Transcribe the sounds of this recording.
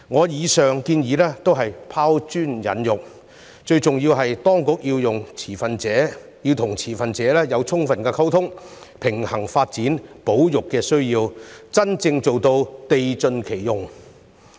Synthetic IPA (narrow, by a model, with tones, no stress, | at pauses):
ŋɔː˨˧jiː˨˧sœː˨ŋkiː˧njiː˨˧lɛː˥t̪o˥wɦɐ˨jpʰaː˥wt͡ʃyː˥njɐ̰˨˥njʊ˨k̚ | t͡ʃɵ˧ɥt͡sʊ˨ŋjiː˧wɦɐ˨jt̪ɔː˥ŋkʊ˨˥k̚jiː˧wjʊ˨ŋt͡sʰiː˨˩fɐ˨nt͡sɛː˨˥ | jiː˧wt̪ʰʊ˨˩ŋt͡sʰiː˨˩fɐ˨nt͡sɛː˨˧˥lɛː˥jɐ˨˧wt͡sʰʊ˥ŋfɐ˨nkɛː˧kʰɐ˥wt̪ʰʊ˥ŋ | pʰɪ˨˩ŋhɐ˨˩ŋfaː˧t̚t͡siː˨˥npo˨˥wjʊ˨kːɛː˧sɵ˥ɥjiː˧wt͡sɐ˥nt͡sɪ˧ŋt͡so˨wt̪o˧wt̪e˨jt͡ʃɵ˧nkʰe˨˩jːʊ˨ŋ